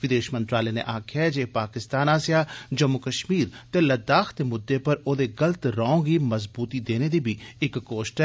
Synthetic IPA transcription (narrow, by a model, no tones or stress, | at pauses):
ʋɪd̪eːʃmə̃nt̪ɾaːlenḛʔaːkʰɛd͡ʒeːpaːkɪst̪aːnaːsijad͡ʒɐmːokɐʃmiːɾt̪elɐd̪aːxt̪emʊd̪ːepɐɾoːd̪eɡɐlt̪ɾɔ̃ːŋɡimɐzbuːt̪id̪eːned̪ibʱiɪkːoːʃʈɦɛ